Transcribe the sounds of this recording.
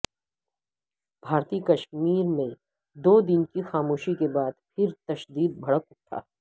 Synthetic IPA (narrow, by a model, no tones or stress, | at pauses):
bʱaːɾt̪iːkɐʃmiːɾmẽ | d̪oːd̪ɪnkixaːmoːʃikebaːd̪pʰɪɾt̪ɐʃd̪iːd̪̚bʱɐɽəkʊʈʰːa̰ː